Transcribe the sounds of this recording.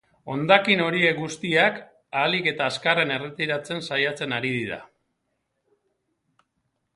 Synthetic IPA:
o̞̰nd̪akino̞ɾie̞kɡust̪iak | aːlike̞t̪aːskare̞ne̞re̞t̪iɾat͡se̞nsajat͡se̞naɾið̞iða̰

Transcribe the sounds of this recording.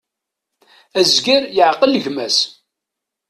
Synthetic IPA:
æzɡiɾjəʕqələʝmæs

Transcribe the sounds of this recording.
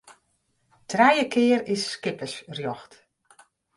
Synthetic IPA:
tʰrɛjəkʰɪːəɾisːkɪpəsrjɔxt

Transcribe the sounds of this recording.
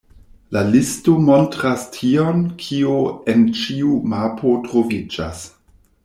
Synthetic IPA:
lalistomo̞ntɾastʰio̞nkʰioent͡ʃiumapʰo̞tɾo̞vid͡ʒa̰s

